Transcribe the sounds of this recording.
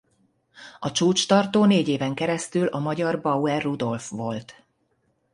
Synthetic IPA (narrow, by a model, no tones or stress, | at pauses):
ɒt͡ʃuːt͡ʃt̪ɒrt̪oːneːɟeːvɛŋkɛɾɛst̪ylʔɒmɒɟɒrbɒwɛrːud̪o̞lfʋo̞lt̪